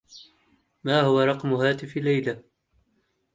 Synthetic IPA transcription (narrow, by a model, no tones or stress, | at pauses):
maːhʊwaɾˤɑqmʊɦaːt̪ɪfɪlːajla